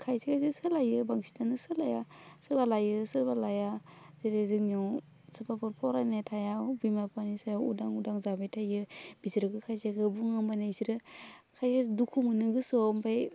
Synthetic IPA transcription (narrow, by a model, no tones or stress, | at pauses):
kʰajsekazɯsɯlajɯbaŋsi̥tanɯsɯlajasɯbalajɯsɯɾbalaja | z̥iɾezɯŋnaw | sɯpʰapʰɔɾpʰɔɾanatʰajawbimapʰanisawudaŋudaŋzabajtʰajɯb̥iziɾɯɡɯkʰajseɡɯbuŋɯmbanasiɾɯkʰajsedukʰumɯnɯɡɯsɯmpʰaj